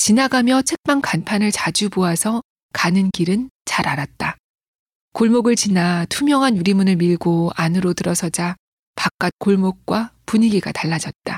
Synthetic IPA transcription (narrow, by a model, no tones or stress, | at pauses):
t͡ɕinaɡamjʌt͡ɕʰe̞k̚p͈aŋkanpʰanɯɭt͡ɕad͡ʑuboasʰʌ | kanɯnkiɾɯnt͡ɕaɾaɾat̚t͈a | koɭmoɡɯɭt͡ɕinatʰumjʌŋɦanjuɾimunɯɭmiɭɡoanɯɾotɯɾʌsʰʌd͡ʑa | pak̚k͈at̚k͈oɭmok̚k͈wapuɲiɡiɡataɭːad͡ʑʌt̚t͈a